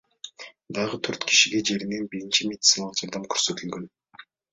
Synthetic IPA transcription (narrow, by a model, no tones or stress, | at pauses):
d̪ɑʁət̪ʰøɾt̪kʰi̥ʃiɡe̞d͡ʒe̞ɾinenbiɾint͡ʃimʲed̪̥ʲt̪sɨnalˠəqd͡ʒɑɾd̪ɑmkʰøɾsø̞t̪ylɡø̞n